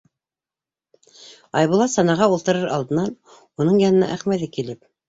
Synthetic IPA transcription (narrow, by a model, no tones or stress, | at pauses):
ɑjβulˠɑsɑnɑʁɑulˠt̪ɤ̆ɾɤɾɑlˠd̪ɤ̆nɑn | unɤɴjɑnɤ̆nɑ̰ʔæχmæðɘkilɘp̚